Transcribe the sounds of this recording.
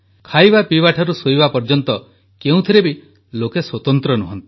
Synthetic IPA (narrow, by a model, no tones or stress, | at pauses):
kʰajbapibaʈʰɔɾusoibapɔɾd͡ʒɔnt̪ɔ | keũt̪ʰiɾebi | lokeswɔt̪ɔnt̪ɾɔnuɦɔnt̪i̥